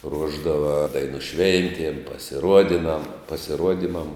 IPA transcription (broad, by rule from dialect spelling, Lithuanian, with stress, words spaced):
ˈruɔʒdɐʋɐ ˈdɐɪnʊ ˈʃʲʋʲɛnʲtʲiɛm pɐsʲɪˈruɔdʲɪnɐm pɐsʲɪˈruɔdʲɪmɐm